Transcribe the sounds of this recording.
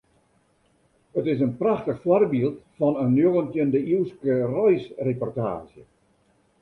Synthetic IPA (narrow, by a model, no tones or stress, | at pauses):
ətɪs̬ənpraxtəxfwɔrbiəlˠtfɔnənjoɣəntjəndəiwskərɔjsrepɔrta̰ːzjə